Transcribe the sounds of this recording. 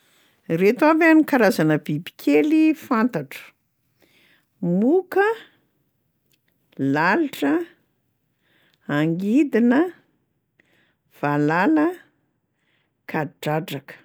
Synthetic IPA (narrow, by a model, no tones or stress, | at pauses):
ret̪uavanikaɾazanəbibi̥kʰelifant̪aʈ͡ʂə̥ | mukə | laliʈ͡ʂə | aŋɡid̪inə | v̥alalə | kʰaʈ͡ʂaʈ͡ʂakə̥